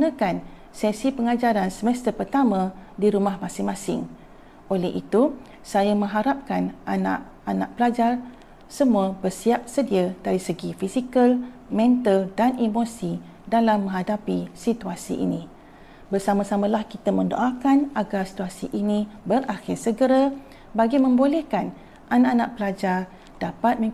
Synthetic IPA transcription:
nə̃kan | sɛsipəŋad͡ʒaɾansəmɛst̪əpərt̪amãdiɾumahmãsɪŋmãsɪ̰ŋ | ʔolɛhḭt̪u | sajamə̃ŋɦaɾap̚kanʔana̰ʔ | ana̰ʔpəlad͡ʒar | səmuəbərsiap̚sədiadaɾisəɡifisikəlmɛ̃nt̪əldanemosi | dalamːə̃ŋɦadapisit̪uasḭʔḭnĩ | bərsamãsamə̃lahkit̪əmə̃ndo̰ʔakanʔaɡarsi̥t̪uasḭʔinĩbərʔaxɪrsəɡəɾa | baɡimə̃mbolɛhkan | ʔanaʔanaʔpəlad͡ʒar | d̥apat̪̚mə̃

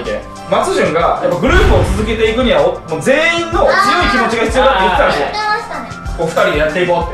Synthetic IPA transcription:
t̪ḛ | mat͡sɨʑɨ̃ŋɡajapːaɡɯ̟ɾɯːpɯ̟ot͡sɨzɨke̞t̪e̞ikɯ̟ɲ̟iβaomoːd͡ze̞ːĩnːo̞t͡sɨjo̞ikʲimo̞t͡ɕiɡahçi̥t͡sɨjoːd̪at̪ːejit̪ːeãɕie | oɸɯ̟̥t̪aɾʲid̪ejat̪ːe̞iko̞t̪ːe

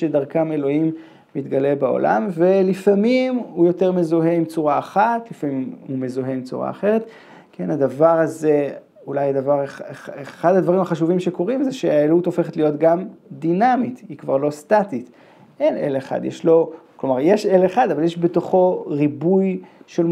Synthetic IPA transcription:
edaʁkame̞lo̞imː | it̪ɡale̞bao̞̰lʔa̰mvelifamimujo̞teʁmezoɦe̞imt͡suʁaːχatlifamimhume̞zoɦeimt͡sṵʁa̰ːχe̞ʁet̪ | kʰe̞nad̪avaʁaze | ulajad̪avaʁeχeeχad̪had̪vaʁimaχaʃuvimʃeko̞ʁimzeʃeaeluto̞fe̞χetlijo̞t̪ɡamd̪inamit̪hikvaʁlo̞st̪atit̪ | ʔe̞nḛleχa̰d̪jeʃlo̞klomaʁjeʃeleχad̪avaljeʃbet̪o̞χo̞ʁibujʃel

